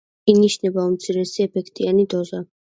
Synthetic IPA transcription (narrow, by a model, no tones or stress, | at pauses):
iniʃnɛbaumt̪sʰiɾɛsiɛpʰɛkʰt̪ʼianid̪ɔza